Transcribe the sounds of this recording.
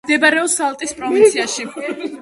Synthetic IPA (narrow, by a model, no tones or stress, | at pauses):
d̪ɛbaɾɛɔsalˠt̪ʼispʼɾɔvint̪sʰiaʃi